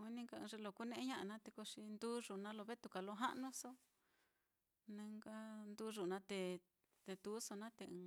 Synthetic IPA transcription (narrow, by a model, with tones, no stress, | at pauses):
i˦nĩ˦ŋka˧ɨ̃˧ʐe˧lo˧˨ku˦nẽ˦ʔe˦ɲã˦ʔa˧nã˦t̪e˧ko˧ʂi˧nd̪uː˦ʐu˨nã˧lo˧βe˦t̪u˧ka˨lo˧ɦa̰˦ʔnũ˦so˦ | nẽ˧ŋɡa˦nd̪u˦ʐu˨nã˧t̪e˧ | t̪e˧t̪u˨˦so˧nã˦t̪e˧ɨ̃ː˧